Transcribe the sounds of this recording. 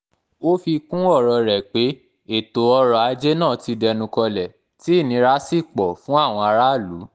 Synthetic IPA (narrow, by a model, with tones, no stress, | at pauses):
o˦fi˧kũ˦ɔ˦˨ɾɔ˨ɾɛ˨k͡pe˨˦ | e˦˨to˨˦ɔ˧ɾɔ˨a˨˧d͡ʒe˦nãː˦˨ti˧dɛ˧nũ˧kɔ˧lɛ˨ | ti˨˦˨nĩ˨˧˦ɾa˦si˦˨k͡pɔ˨fũ˦a˦˨w̃ɔ̃˧a˧ɾa˦˨lu˨˦